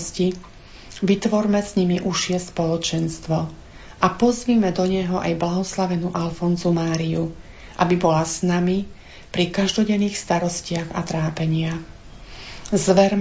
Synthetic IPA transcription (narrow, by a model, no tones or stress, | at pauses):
sci | ʋit̪ʋɔɾmɛsɲimiʔuʃɪɛspɔlɔt͡ʃɛnst̪ʋɔ | ʔapɔzʋiːmɛd̪ɔɲɛɦɔʔa̰jblaɦɔslaʋɛnuʔalfɔnzumaːɾiju | ʔa̰bibɔlasnami | pɾikaʒd̪ɔɟɛnːiːxst̪aɾɔscɪaɣa̰t̪ɾaːpɛɲɪax | zʋɛɾm